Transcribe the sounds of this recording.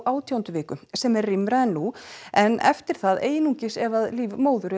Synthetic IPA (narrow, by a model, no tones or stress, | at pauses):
ʔaːwt̪ʰjawnt̪ʏvɪːkʏsɛmɛɾrɪmɾaɛnːuɛnɛ̰ft̪ɪɾ̥θaðḛːjnuɲcɪsɛvaðliːvmoːwðʏɾɪ